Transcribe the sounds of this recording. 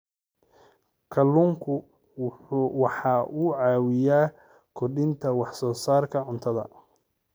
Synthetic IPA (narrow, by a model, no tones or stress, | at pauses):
kʰɐlːuŋkʰʊ | wɑħɑːʔuːʕɑːwɪjaː | kʰɔrɗɪnt̪ʰɐwɑħsɔːsaːrkʰɐʕʊnt̪ʰɐðɐ̰